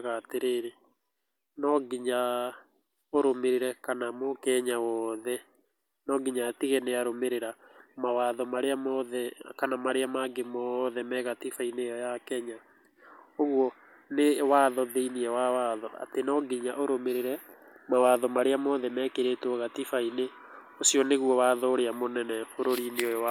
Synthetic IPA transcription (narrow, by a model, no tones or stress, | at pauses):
ɣateɾeːɾe | nɔɡiɲa | oɾomeɾiɾɛkanamokɛɲawɔðɛ | nɔɡiɲatiɣɛneaɾomeɾeɾamawaðɔmaɾeamɔðɛkanamaɾeamaɡemɔðɛmɛɣatifainejɔjakɛɲa | oɣwɔ | newaðɔðeiniɛwawaːðɔa̰tenɔɡiɲaʔoɾomeɾeɾɛ | mawaðɔmaɾeamɔðɛmɛːkeɾetɔɣatifaine | osiɔneɣwɔwaːðɔːɾeamonɛnɛfoɾoɾineoja